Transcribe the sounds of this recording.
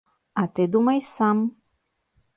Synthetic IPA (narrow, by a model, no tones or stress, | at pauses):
at̪ed̪umajsam